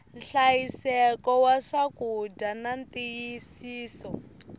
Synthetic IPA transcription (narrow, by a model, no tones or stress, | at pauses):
nɬajisɛkɔwaʂakudanantijisiːsɔ